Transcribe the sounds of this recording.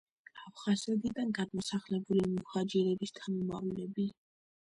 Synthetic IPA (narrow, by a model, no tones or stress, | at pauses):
apʰχazɛd̪id̪anɡad̪mɔsaχlɛbulimɔχad͡ʒɛɾɛbist̪ʰamɔmavlɛbi